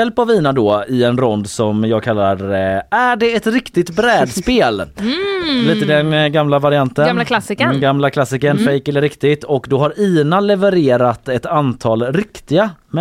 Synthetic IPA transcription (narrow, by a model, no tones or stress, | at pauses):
ɛlpaviːnad̪ɔɪɛnɾɔnd̪sɔmjɑːɡ̚kʰalːa̰ɾæɖɛɛt̪ɾɪkt̪ɪt̪bɾɛːd̪speːl | liːt̪əd̪ɛnɡamlavaɾɪant̪ənlsɡamlakʰlasːɪkənfɛjkɛlːəɾɪkt̪ɪt̪ʰɔkd̪ɔɦaɾiːnalɛvəɾeːɾat̪ɛt̪ant̪ʰɑːlɾɪkt̪ɪɡamɛ